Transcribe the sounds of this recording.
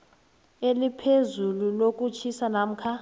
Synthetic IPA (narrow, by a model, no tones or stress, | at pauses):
elipʰezululokʼut͡ʃʰisanam̩kʰa